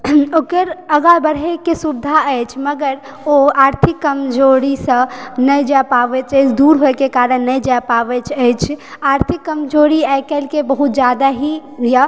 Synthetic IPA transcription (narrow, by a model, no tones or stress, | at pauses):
okəɾəɡabəɾɦekesubd̪ʱaəjt͡ʃʰməɡəɾ | oaɾt̪ʰikːəmd͡ʒoɽisə̃nəjd͡ʒapabɛt͡ʃəjt͡ʃʰd̪uɾɦojkekaɾənːəjd͡ʒapabɛt͡ʃʰəjt͡ʃʰaɾt̪ʰikːəmd͡ʒoɽiajkɛlkebəɦut̪̚d͡ʒad̪aɦijə